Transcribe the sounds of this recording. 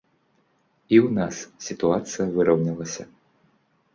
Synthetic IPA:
iwnassʲit̪uat̪sɨjɐvɨɾɐwnʲilˠɐsʲɐ̰

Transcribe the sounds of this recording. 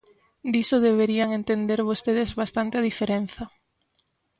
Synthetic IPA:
d̪isoðeβ̞eɾiaŋent̪end̪eɾβost̪eð̞ezβast̪ant̪eaðifeɾen̟θɐ

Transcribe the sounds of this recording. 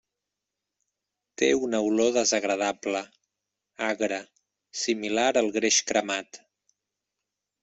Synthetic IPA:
t̪eunəwloðəzəɣɾəð̞aplə | aɣɾə | similaɾəlˠɣɾeʃkɾəmat̪

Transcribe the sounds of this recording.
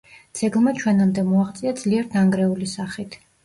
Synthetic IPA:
d̪z̥ɛɡlˠmat͡ʃʰwɛnamd̪ɛmɔaʁt̪sʼiad̪z̥liɛɾd̪aŋɡɾɛulisaχit̪ʰ

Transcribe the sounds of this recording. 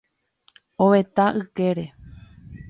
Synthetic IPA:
oʋe̞t̪aʔɨkeɾe̞

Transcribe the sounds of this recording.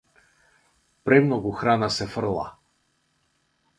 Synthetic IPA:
pɾɛmnɔɡuxɾanasɛfr̩lˠa̰

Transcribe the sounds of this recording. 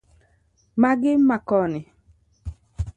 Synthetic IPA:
maɡɪmakɔnɪ

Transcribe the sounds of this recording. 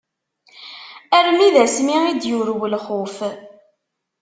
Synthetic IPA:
ærmiðæsmiid̪juɾwəlχʊf

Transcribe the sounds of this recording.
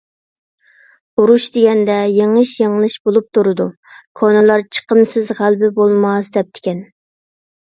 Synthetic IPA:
uɾuʃd̪ɪɡʲɛnd̪ɛjeŋəʃjŋlˠɨʃbolˠup̚t̪ʰuɾɨd̪u | kʰonɨlˠɑɾt͡ʃʰə̥qəmsɨzʁælbɪbolˠmɑsd̪ɛp̚t̪ʰɪ̥kʲɛn

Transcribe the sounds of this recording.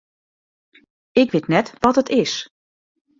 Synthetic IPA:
ɪkʋɪtnɛtʋɔtətɪs

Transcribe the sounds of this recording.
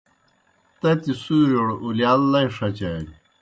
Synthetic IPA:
t̪ɐt̪isuɾoɽuliaːlːɐjʂɐt͡ɕɐ

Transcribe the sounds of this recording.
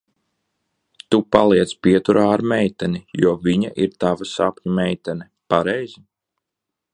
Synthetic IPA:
t̪upalˠiɛt̪spiɛt̪uɾaːɾmɛjt̪ɛnijuɔviɲa̰ʔiɾt̪avasapʲɲumɛjt̪ɛnɛ | paɾɛjzi

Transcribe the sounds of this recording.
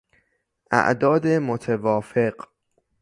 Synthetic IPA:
ʔæ̰ʔd̪ɒːd̪emot̪ʰevɒːfeɢ

